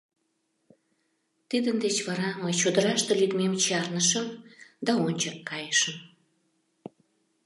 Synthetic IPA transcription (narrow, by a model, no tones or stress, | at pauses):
t̪id̪ənd̪et͡ɕβɑɾɑməjt͡ɕod̪əɾɑʃt̪elyt̪memt͡ɕɑrnəʃəmd̪ɑonʲt͡ɕəkːɑjəʃəm